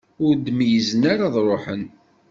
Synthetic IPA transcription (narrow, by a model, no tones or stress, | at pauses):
ʊɾd̪mjəzənaɾaðˤɾˤoħən